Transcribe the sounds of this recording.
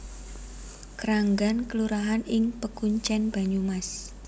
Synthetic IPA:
kɾaŋɡankəluɾaɦanɪŋpəkuɲt͡ʃɛnb̥a̤ɲumas

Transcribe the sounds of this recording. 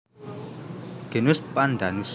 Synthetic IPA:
ɡ̥e̤nʊspanɖ̪a̤nus

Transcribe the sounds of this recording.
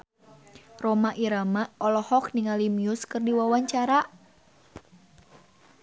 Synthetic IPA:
romaʔiɾamaɔlɔhɔk̚niŋalimiʊskɨrdiwawaɲt͡ʃaɾa

